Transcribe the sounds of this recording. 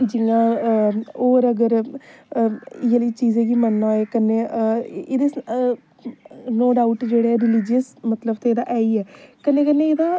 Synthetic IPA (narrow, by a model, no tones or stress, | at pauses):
d͡ʒɪŋãː | oːɾəɡəɾ | ɪjəliːt͡ʃiːzẽːkiːmənːaːeːkənːeːed̪e | noːɖaːʊʈd͡ʒeːɽeːɛɾɪlɪd͡ʒəsmət̪ləbt̪eːeːd̪a̰ːʔɛːiːɛːkənːeːk̬ənːeeːd̪aː